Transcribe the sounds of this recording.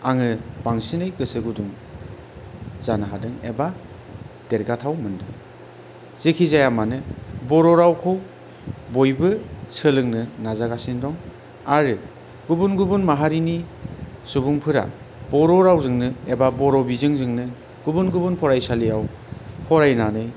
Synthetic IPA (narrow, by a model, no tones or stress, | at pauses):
aŋɯbaŋsinɯjɡɯsɯɡuduŋ | z̥anaɦadɯŋḛba | d̥eɾɡatʰawmɯndɯŋ | z̥ekʰizajamanɯbɔɾɔɾawkʰɯw | bojbɯsɯlɯŋnɯnazaɡasindɔŋ | aɾɯ | ɡubunɡubunmaɦaɾinisubuŋpʰɯɾa̰ | bɔɾɔɾawzɯŋnɯebabɔɾɔbizɯŋzɯŋnɯ | ɡ̥ubunɡubunpʰɔɾajsalijaw | pʰɔɾajnanɯj